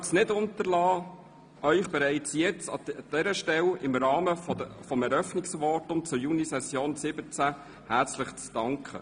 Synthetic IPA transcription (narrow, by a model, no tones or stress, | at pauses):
snɪdʊnt̪əɾlɑː | œʏχb̥ɛɾæɪt͡sjɛt͡sɑ̰d̥ɛɾəʃtɛlɪmɾɑːməfɔəfɔmɛɾœfnɪksʋɑtʊmt͡sʊjunisɛsjoːnsɪbət͡sæ | hæːt͡slɪχt͡sd̥ɑŋkχə̰